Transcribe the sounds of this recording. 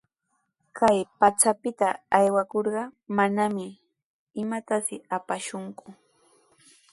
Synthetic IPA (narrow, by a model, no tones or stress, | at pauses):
kʰajpat͡ʃapɪt̪aːjwakoɾɢɑmanamɪ | ɪmat̪asɪapaʃʊŋkʊ